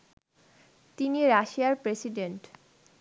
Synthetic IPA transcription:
t̪iniɾaʃiaɾpɾesiɖeɳʈ

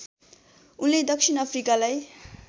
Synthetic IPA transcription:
unled̪ʌksʰinʌpʰrikalaj

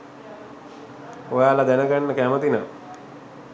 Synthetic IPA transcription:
ojaːlad̪ænəɡanːəkæmət̪ina

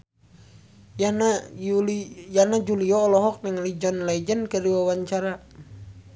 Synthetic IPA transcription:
janad͡ʒuliɔːlɔɦɔk̚nəŋlid͡ʒɔnlaid͡ʒənkəɾiwawaɲt͡ʃaɾa

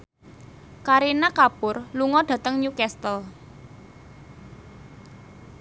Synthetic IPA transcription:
kaɾinakapʊrluŋɔɖ̥ä̤t̪əŋɲukɛst̪əl

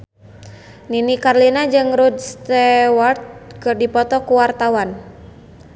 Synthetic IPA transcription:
ninikarlinad͡ʒɨŋɾud̪st̪ɛwart̪̚kərdipɔt̪ɔkuwart̪awan

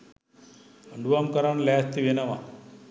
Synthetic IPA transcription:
əɳɖuamkəɾaɳlest̪iʋenaʋa̰

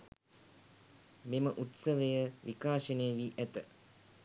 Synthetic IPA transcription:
meməʔut̪səʋəjəʋikaːʃənejːʋiːʔæt̪ə

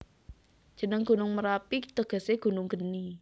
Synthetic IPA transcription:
d̥ʒ̥ə̤nəŋɡ̥ṳnʊŋməɾapit̪əɡ̥ə̤seɡ̥ṳnʊŋɡ̥ə̤ni

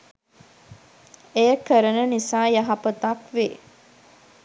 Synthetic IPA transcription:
ejəkəɾənənisaːjɐɦapət̪akʋe

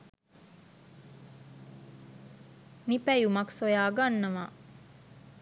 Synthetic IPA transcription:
nipæjumaksojaːɡanːəʋa

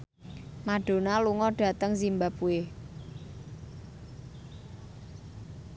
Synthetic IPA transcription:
maɖ̥o̤naluŋɔɖ̥ä̤t̪əŋsimbapue

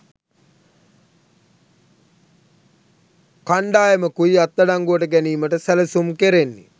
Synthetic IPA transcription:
kaɳɖaːjəməkuiat̪ːɐɖaŋɡuəʈəɡæniːməʈəsæləsumkeɾenːḭ

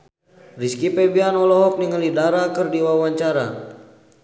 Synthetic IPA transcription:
riskipɛbianɔlɔɦɔk̚niŋəlidaɾakərdiwawaɲt͡ʃaɾa̰

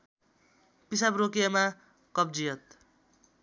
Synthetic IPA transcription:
pisabrokjama | kʌb̚d͡zijʌt̪̚

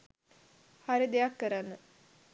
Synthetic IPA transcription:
haɾid̪ejakːəɾanːə

